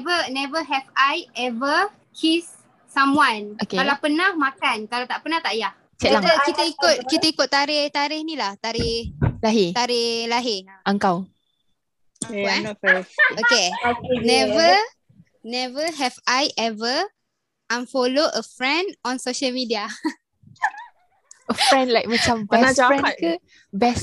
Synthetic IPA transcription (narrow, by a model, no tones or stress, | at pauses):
vənɛvəɦɛvajɛvə | kʰisː | ãmwãnokekalawpənãhmakankalawt̪aʔpənãht̪aʔjah | t͡ʃɛaŋt̪əkit̪əikʊt̪̚kit̪əikʊt̪̚ːaɾɪht̪aɾɪhnilaht̪aɾɪhlaɦet̪aɾɪhlaɦeaŋkaw | wɛ | okenɛvə | nɛvəɦɛvajʔɛvə | ãmfoloʔəfɹɛ̃ndɔ̃nsoʃəlmidia | əfɹɛ̃ndlajk̚mat͡ʃampəɛnaɹɛkə | bɛs